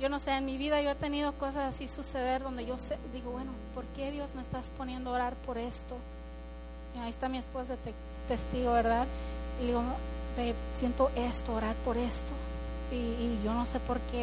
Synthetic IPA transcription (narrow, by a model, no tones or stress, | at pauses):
ɟ͡ʝo̞no̞seenmiβiðaʝo̞e̞t̪e̞nið̞o̞ko̞sasasisuse̞ðe̞ɾðo̞nd̪eʝo̞sed̪iɣo̞βwe̞no̞po̞ɾke̞ðjo̞zme̞ːst̪aspo̞nje̞nd̪ooɾaɾpo̞ɾe̞st̪o̞ | aiest̪amiesposðet̪e | t̪est̪iɣoβeɾðaððiɣopesje̞nt̪o̞ʔe̞st̪oːɾaɾpo̞ɾe̞st̪oiːʝo̞no̞se̞po̞ɾke